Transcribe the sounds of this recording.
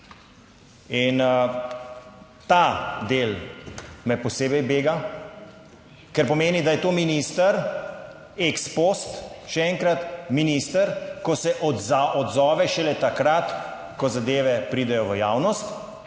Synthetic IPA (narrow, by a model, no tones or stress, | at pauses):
in | t̪ad̪eːl | mɛpɔseːbɛjbeːɡa | kɛɾpɔmeːnid̪ajɛt̪oːminist̪əɾ | ekspost̪ʃɛɛŋkɾat̪miniːst̪əɾkɔsɛʔɔzaʔɔd̪zɔːʋɛʃɛlɛt̪akɾat̪ | kɔzad̪eːʋɛpɾiːd̪ɛjɔʋəjaːwnɔst̪